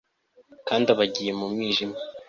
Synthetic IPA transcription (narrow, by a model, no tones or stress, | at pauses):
kaːndaβaɟiːje̞mumŋiːʒima